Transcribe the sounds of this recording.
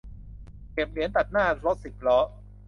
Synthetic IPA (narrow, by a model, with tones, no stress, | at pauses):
ke˨˩p̚li˩˦nt̪a˨˩t̪̚naː˥˩lo˦˥t̪̚si˨˩k̚lɔ˦˥ʔ